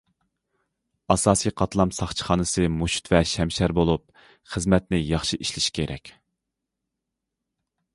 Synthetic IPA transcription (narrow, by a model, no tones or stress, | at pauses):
ɑsɑːsijqʰɑt̪lˠɑmsɑχt͡ʃʰə̥χɑːnɨsɨmuʃu̥t̪vɛʃɛmʃæɾbolˠup | χəzmɛt̪nɪjɑχʃiʔiʃlɪʃi̥kʲʰeɾʔɛ̰kʲ